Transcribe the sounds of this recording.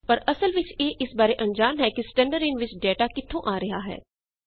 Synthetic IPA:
pɐɾʔɐsəlʋɪt͡ʃjeːʔɪsbaːɾeʔɐ̃nd͡ʒaːmɦɛːkisʈɛ̃ːɳɖəɾẽːnʋɪt͡ʃɖɛːʈaːkɪt̪ʰːõʔaːɾɐɦaɦɛ̰ː

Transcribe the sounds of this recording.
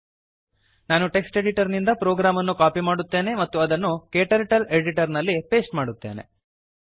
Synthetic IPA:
naːnuʈe̞ksʈe̞ɖiʈɐɾnind̪ɐpɾoːɡɾaːmɐnːukaːpimaːɽut̪ːe̞ːne̞mɐt̪ːuɐd̪ɐnːukeːʈɐɾʈɐleɖiʈɐɾnɐlːipe̞ːsʈmaːɽut̪ːe̞ːne̞̰

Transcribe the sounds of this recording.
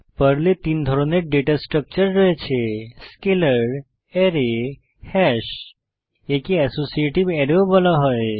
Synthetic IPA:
pəɾlet̪ind̪ʱəɾoneɖeʈasʈɾək̚t͡ʃəɾːəɦet͡ʃʰeskeləɾ | ɛɾe | hɛʃ | ekiɛsosieʈiʋɛɾobəlaɦɔj

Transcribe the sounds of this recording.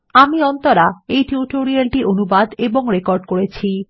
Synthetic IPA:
amiɔnt̪oɾaejʈuʈoɾialʈiʔonubad̪eboŋɾekoɾɖkoɾet͡ɕʰi

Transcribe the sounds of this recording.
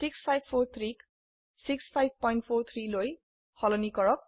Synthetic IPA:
sikspʰajb̚pʰort̪ʰrik | sikspʰajb̚ʱpɔjɳʈ̚pʰoɾt̪ʰriloj | hʌlʌnikʌɾʌk̚

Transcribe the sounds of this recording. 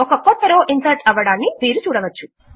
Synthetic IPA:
ɔkɐkɔt̪ːɐɾoːʔinsɐɾʈɐʋɐɽaːnːiʋiːɾut͡ʃuːɽɐʋɐt͡ʃːu

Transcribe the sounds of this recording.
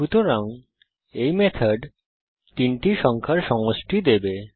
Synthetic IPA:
ʃut̪oɾaŋ | ejmet̪ʰaɖ | t̪inʈiʃɔŋkʰaɾʃɔŋoʃʈid̪ebe

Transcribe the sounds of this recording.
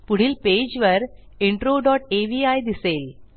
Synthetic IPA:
puɽ̤iːlped͡ʑʋəɾiɳʈɾoɖɔʈeʋiajd̪isel

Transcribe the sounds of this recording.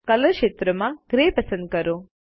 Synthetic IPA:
kɐləʃet̪ɾəmãɡɾepɐsənd̪̚kəɾo

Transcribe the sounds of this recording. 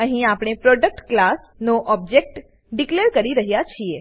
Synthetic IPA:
əɦĩapɽ̃epɾɔɖək̚ʈklas | noʔɔb̚d͡ʒek̚ʈ | ɖikleɾkəɾiɾəɦjat͡ʃʰie

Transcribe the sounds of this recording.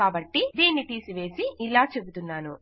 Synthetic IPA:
aːbɐʈːid̪iːnːiʈiːsiʋe̞ːsiilaːt͡ʃe̞but̪unːaːnu

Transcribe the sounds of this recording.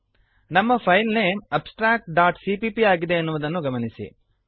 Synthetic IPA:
nɐmːɐpʰɐjllejmɐpsʈɾaːk̚ʈ̚ɖaːʈsipiːpiaːɡid̪e̞ːnːuʋud̪ɐnːuɡɐmɐnisḭ

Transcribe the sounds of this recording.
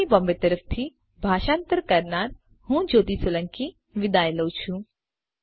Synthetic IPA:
ibɔ̃mbet̪əɾəft̪ʰi | bʱaːʃãːnt̪əɾkɐɾnaːɾ | hũːd͡ʒoːt̪isolə̃ŋki | ʋɪd̪aːjləwt͡ʃʰũ

